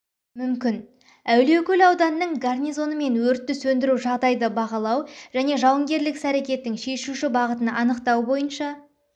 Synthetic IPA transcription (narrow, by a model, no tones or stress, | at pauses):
mʏmkʲɪn | æwle̞wkʲɵlɑwd̪ɑnəːəɴɡarnʲijzo̞nəme̞nwɵɾt̪ːʏsɵnd̪ɪɾuʒɑʁd̪ɑjd̪əbɑʁɑlˠɑwʒ̥æne̞ʒɑwəŋɡʲe̞ɾlɪksæɾe̞kʲe̞t̪ːɪŋʃe̞ʃuʃɪbɑʁət̪ənʔɑnəqt̪ɑwbo̞jənʃɑ